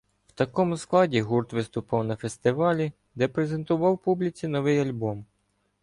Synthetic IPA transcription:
wt̪ɐkɔmʊsklˠɑdʲiɦurt̪ʋɪst̪ʊpɑwnɐfe̞st̪ɪʋɑlʲi | d̪ɛpɾeze̞nt̪ʊʋɑwpublʲit͡sʲinɔʋɪjɐlʲbɔm

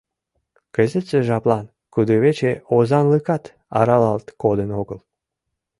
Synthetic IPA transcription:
kəzet̪zeʒɑplˠɑn | kud̪oβet͡ɕeozɑnlɨkɑt̪ | ɑ̰ɾɑlɑlt̪kod̪ənoɡəl

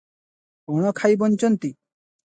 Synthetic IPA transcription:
ɔɽ̃ɔkʰajbɔnt͡ʃɔnt̪i

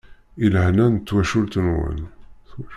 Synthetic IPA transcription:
ilhnænət̪ːwæʃult̪ənwə̰nθ

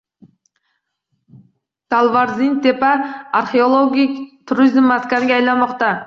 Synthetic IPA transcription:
t̪alˠvɑɾzint̪epɑaɾχeolˠoɡʲijkt̪ʰʊɾizɪmat̪kanɡʲeɑjlˠɑmɑqt̪ɑ

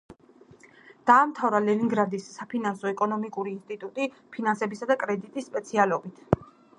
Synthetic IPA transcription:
d̪̥aːmt̪ʰavɾalɛniŋɡɾad̪isːapʰinansɔɛkʼɔnɔmikʼuɾiːnst̪ʼit̪ʼut̪ʼi | pʰinansɛbisad̪akʼɾɛd̪it̪ʼisːpʼɛt̪sʰialɔbit̪ʰ

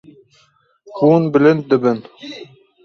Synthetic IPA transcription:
bunbɘ̆lɘnt̪ɘ̆bɘn

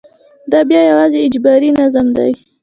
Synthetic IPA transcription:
d̪ɑbjɑjawɑzeɪd͡ʒbɑɾinazamd̪a̰j

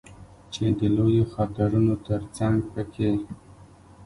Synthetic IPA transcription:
t͡ʃed̪əlojoxɑt̪ɪɾunot̪əɾt͡saŋɡpəkʰe

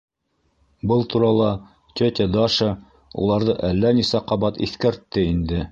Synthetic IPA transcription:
bɤlˠt̪ʰuɾɑlˠɑ | t̪ʲɵt̪ʲed̪ɑʃɤ | ṵlˠɑɾðɤʔælːænisæqɑβɑt̪ḭθkæɾt̪ːɘind̪ɘ

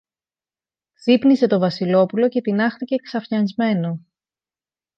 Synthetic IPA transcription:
ðipnise̞t̪o̞vɐsilo̞pulo̞ce̞t̪inɐxθice̞ksɐfçɐnzme̞no̞

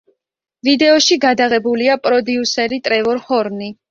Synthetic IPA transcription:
vid̪ɛɔʃiɡad̪aʁɛbuliapʼɾɔd̪iusɛɾit̪ʼɾɛvɔɾhɔɾni

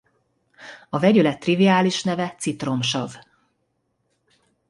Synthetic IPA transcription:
ɒvɛɟylɛt̪ːriviaːliʃnɛvɛt̪sit̪ro̞mʃɒv

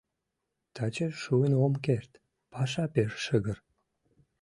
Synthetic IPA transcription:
t̪ɑt͡ɕeʃuənomkert̪ | pɑʃɑpeʃʃəɣər

